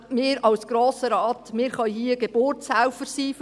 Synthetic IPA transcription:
mɪːɾɑwsɡ̥ɾoːsəɾɑːt̪mɪːɾχœjhiːəɡeb̥ʊrtsæwfəɾsiːf

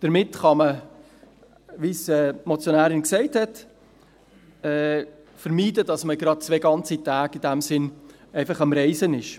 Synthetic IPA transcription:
d̥əɾmɪtχɑmə | ʋisɛːmɔt͡sjonæːɾɪnksɛɪthɛt | ɛː | fəɾmiːdəd̥ɑsməɡɾɑd̚t͡sveɡɑnt͡sitæːɡ̥id̥æmsɪn | ɛɪfɑχɑmɾɛɪsənɪʃ

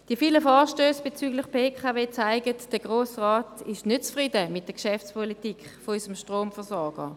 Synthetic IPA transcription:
d̥iəfiːləfɔːɐʃtøːsb̥et͡syːɡlɪχpeːkʰaveːt͡saɪɡətd̥əɡ̥ʁoːsʁaːtɪʃnøtt͡sfʁidəmɪt̚d̥əɐkʃɛft͡spɔlitikχfoysəmʃtʁoːmfɛɐsɔɐɡ̥ə

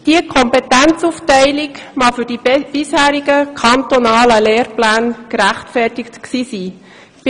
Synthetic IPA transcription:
d̥iəkʰɔmpetænt͡suftɛɪlɪkmɑfʏɾd̥ib̥ɪshæːɾiɡəkʰɑnt̪onɑːləleːɾplæːnkɾæχtfɛrtɪktksiːsiː

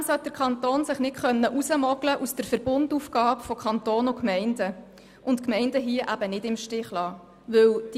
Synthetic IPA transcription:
sɛt̚d̥̪əɾkʰɑnt̪oːnsɪχnɪtχœnːəʔusəmɔɡləʔusd̥əɾfəɾb̥ʊndufɡ̥ɑːpfɔkʰɑnt̪oːnʊkmɛɪndə | ʔʊntkmɛɪndəɦiəʔæbənɪdɪmʃtɪχlɑː | ʋɵwd̥

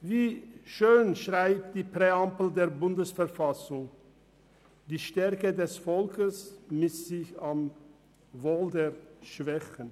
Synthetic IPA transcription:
viːʃøːnʃʁaɪp̚t̚d̥iːpʁ̥eampl̩deːɐbʊndəsfɛɐfasʊŋ | d̥iːʃtɛʁkədɛsfɔlkəsmɪsz̥ɪçam | voːldeːɐʃv̥ɛçən

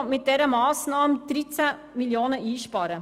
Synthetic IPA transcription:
mɪt̚d̥ɛɾəmɑːsnɑːmd̥ɾit͡sæ | miljoːnəiːʃpɑɾə

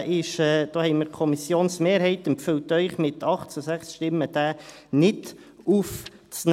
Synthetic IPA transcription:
ʔɪʃɛːd̪̥oːhɛɪmɪɾkʰɔmisjoːnsmeːɾhɛɪt̪əmpføltœʏχmɪt̪ʰɑχtt͡susæχsʃtɪmːəd̪̥æːnɪt | uft͡sn

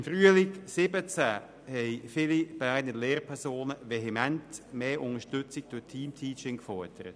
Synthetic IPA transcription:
mfryəlɪksɪbət͡sæ | hɛɪfɪlib̥aɪdnəleːrpʰɛsoːnəʋeɦemɛntmeːʔʊnəʃtʏt͡sɪk̚d̥ʊtʰiːmtʰiːt͡ʃɪŋkfɔɹd̥əɾət

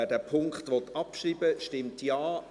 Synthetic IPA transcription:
ædæːpʰʊŋkχtʋɔt̪ɑpʃriːbəʃtɪmtjaː

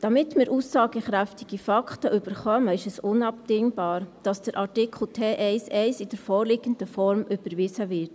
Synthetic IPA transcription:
d̥ɑmɪtmɪːɾuːsːɑːɡ̥əχɾæftɪɡ̥ifɑkχtəʔyb̥əɾχœməɪʃɛsʊnɑpd̥ɪŋb̥ɑːɾd̥ɑsd̥əɾʔɑɾtɪkʰl̩tʰeːʔɛɪsɛɪsɪd̥ɛɾfɔːɾlɪːɡənd̥əfɔɾmʔʏb̥əɾʋɪːzəʋɪɾt

